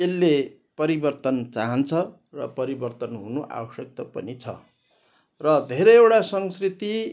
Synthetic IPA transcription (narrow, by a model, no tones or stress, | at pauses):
elːe | pʌɾibʌrt̪ʌnt͡saɦʌnt͡sʰʌ | rʌpʌɾibʌrt̪ʌnɦunoʔa̰bʌsjʌk̚t̪ʌpʌ̰nit͡sʰʌ̰ | rʌd̪ʱeɾʌjewʈasʌŋskrit̪i